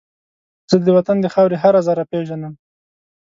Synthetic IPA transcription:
z̥əd̪əwat̪and̪əxɑwɾeɦaɾazɑɾapeʒanəm

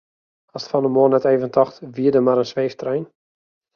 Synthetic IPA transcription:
ɔstfɔnəmoənɛteːvəntɔxtʋiədəmaɾənsʋeːftrɛjn

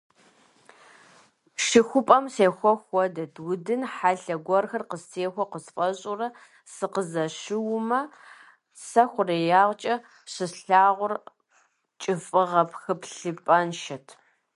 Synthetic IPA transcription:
ʃɪxʷʊpʼɐmseːxʷɔxʷɔdɐtʰwʊdɨnħaɬɐɡʷɔrxɐrqəsteːxʷɔqəspʼɐɕʼʊrɐ | sɨqəzɐʃɪwʊmɐ | sɐxʷʊrejaːʁʷt͡ʃʼɐ | ɕɪsɬaːʁʷʊr | t͡ʃʼɪfʼɨʁɐpʰxɨpɬɨpʼɐnʃɐtʰ

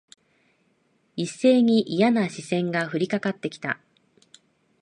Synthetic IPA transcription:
isːe̞ːɲ̟iʔijanaɕisẽ̞ŋɡaɸɯ̟ɾʲikakat̪ːe̞kʲi̥t̪a̰

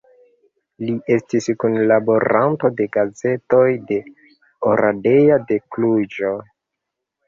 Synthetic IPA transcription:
liʔe̞stiskunlabo̞ɾanto̞de̞ɡaze̞to̞jde̞ | oɾʔade̞jade̞klud͡ʒo

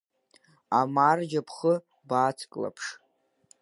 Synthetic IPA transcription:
amarʒapʰχə | baːt͡sʰkʼla̰pʰʂ

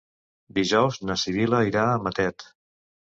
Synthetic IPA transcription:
d̪iʒɔwznəsiβiləiɾaəmət̪ɛt̪

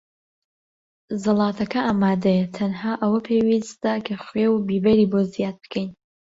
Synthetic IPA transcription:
zɨlˠɑːt̪ʰɐkɐʔaːmaːd̪ɐjt̪ʰɐnhaːʔɐwɐpʰewist̪akʰɐχwewbiːbɐɾiːbozijaːd̪̚bɨ̥kʰɛjn

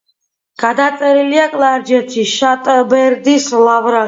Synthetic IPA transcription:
ɡ̥ad̪at̪sʼɛɾiliakʼlˠaɾd͡ʒɛt̪ʰiʃat̪ʼbɛɾd̪islavɾa

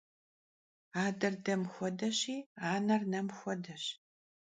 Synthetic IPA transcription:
aːdɐrdɐmxʷɔdɐɕiːaːnɐrnɐmxʷɔdɐɕ

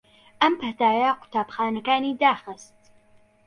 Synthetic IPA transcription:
ʔɐmpʰɐt̪aːjɐqʊ̥t̪aːbxaːnɐkaːniːd̪aːxɨst̪

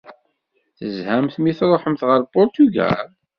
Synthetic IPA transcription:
θəzhæmθmiθɾˤoħəmθʁəɾˤpʊɾt̪yɡæ̰l

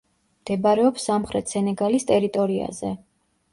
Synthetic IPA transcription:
md̪̥ɛbaɾɛɔpsːamχɾɛt̪ʰsɛnɛɡalist̪ʼɛɾit̪ʼɔɾia̰zɛ

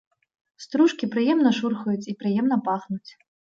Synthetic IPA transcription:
st̪ɾuʂkʲipɾɨjɛmnɐʂurxujut͡sʲipɾɨjɛmnɐpaxnut͡sʲ

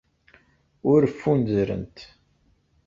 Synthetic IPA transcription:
ʊɾəfːunzɾə̰nt̪

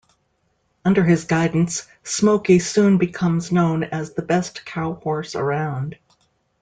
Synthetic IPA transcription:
ʌ̃ndə˞ɨzɡaɪdⁿn̩sː | moʊkisũnbɨkʰʌ̃mznõʊ̃nɨzðəbɛskʰaʊhɔɹsə̰˞ãʊ̃nd̥

